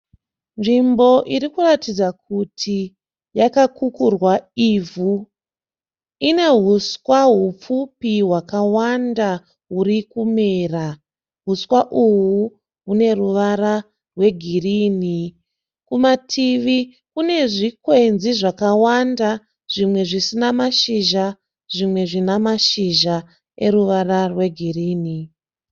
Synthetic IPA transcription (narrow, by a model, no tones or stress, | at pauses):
nʐimbo̞ʔiɾikuratid͡zak̚utʰi | jakakukurwaivʱu | ine̞ɦuskwaɦup͡fupiɦwakawanda | ɦurikume̞ːra | ɦuswaʔuwu | ɦune̞ruʋaɾa | rwe̞ɡʱiriːni | kumatʰiʋi | kune̞ʐikwe̞nziʐakawanda | ʐ̥imwe̞ʐisinamaʃiʒa | ʐ̥imwe̞ʐinamaʃiʒa | e̞ɾuʋararwe̞ɡʱiriːni